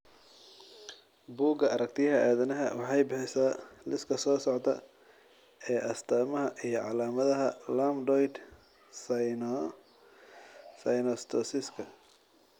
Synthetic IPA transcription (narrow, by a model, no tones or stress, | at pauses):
buːɡɐɐɾɐk̚t̪ʰɪjɐɦɐʔaːðɐnɐɦɐwɑħɑjbɑħɛsaːlɪskʰɐsɔːsɔʕt̪ʰɐ | ɛːʔɐst̪ʰaːmɐɦɐʔijɞʕɑlaːmɐðɐɦɐlamdɔjd̪ | sn | sɐjnɔst̪ʰɔsɪskʰɐ